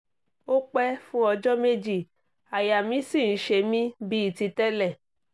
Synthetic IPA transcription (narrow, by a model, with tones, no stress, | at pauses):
o˦k͡pɛ˦fũ˦ɔ˧d͡ʒɔ˦me˦d͡ʒi˦˨ | a˨ja˨mĩ˨˦si˦˨n̩˦ʃe˧mĩ˦bi˦i˦˨ti˧tɛ˦lɛ˦˨